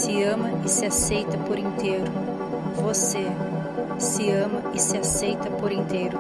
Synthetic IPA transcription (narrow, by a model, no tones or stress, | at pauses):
sɪɐ̃mɐɪsɪasejt̪ɐpoɾẽnt̪eɾʊ | vose | sɪɐ̃mɐɪsɪasejt̪ɐpoɾẽnt̪ejɾʊ